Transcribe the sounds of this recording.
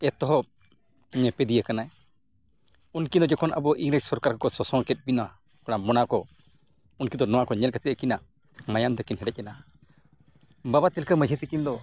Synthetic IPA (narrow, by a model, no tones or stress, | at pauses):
ɛt̪ɔɦɔ | ɲɛpɛd̪ijakanaɛ | unkind̪ɔd͡ʒɛkʰɔnʔa̰bɔʔiŋɾəcsɔɾkaɾkakɔsɔsɔŋkɛt̪̚binwa | kɔɽ̃amɔnakɔ | unkid̪ɔnɔwakɔɲɛlkat̪it̪əkina | majamt̪ɛkinɦɛɖɛc̚ˀɛna | babat̪ilkəməd͡ʒʱət̪ikind̪ɔ